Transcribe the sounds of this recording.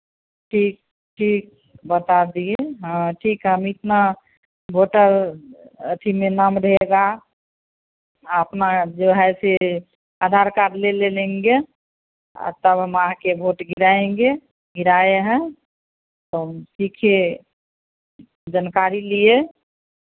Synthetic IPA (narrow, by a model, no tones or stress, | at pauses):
ʈʰiːk̚ | ʈʰiːk̚ | bət̪ad̪ieɦãʈʰiːkɦɛmit̪na | bʱoʈəɾ | ət̪ʰimenamɾeeɡa | əpnad͡ʒoɦɛse | ad̪ʱaɾkaʈlelelẽŋɡe | ɔ̰ɾt̪əbɦəmakebʱoʈɡiɾaẽŋɡe | ɡɪɾaeɦɛ̃ | t̪osikʰe | d͡ʒənkaɾilie